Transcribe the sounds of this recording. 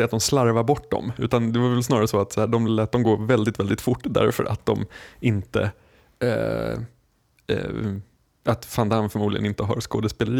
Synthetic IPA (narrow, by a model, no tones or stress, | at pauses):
ɛat̪̚d̪ɔmslaɾvaɾbɔʈːd̪ɔ̰mʉ̟̰ːt̪and̪ɛvaɾvɛlsnɑːɾaɾəsɔat̪saæːɖɔmlɛːt̪̚d̪ɔmɡoːvɛld̪ɪt̪vɛld̪ɪt̪fʊʈːd̪æ̰ɾfœ̰ɾʔa̰t̪̚d̪ɔ̰mɪnt̪ə̰ | at̪fand̪amfœɾmuːd̪ɪɡə̰nɪnt̪əɦa̰ɾskoːd̪əspeːləɾiː